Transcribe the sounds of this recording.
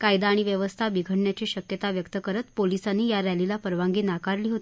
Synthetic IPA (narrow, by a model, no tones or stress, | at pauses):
kajd̪aːɽ̃iʋjəʋəst̪ʰabiɡʱəɽɳjat͡ɕiːɕəkjət̪aʋjəkt̪əkəɾət̪polisanːiːjaɾɛlilapəɾʋaŋɡiːnakaɾliːɦot̪i